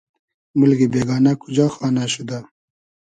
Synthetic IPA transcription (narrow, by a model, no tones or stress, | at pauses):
mulɡibeːɡɑːnakud͡ʒaxɑːnaɕud̪a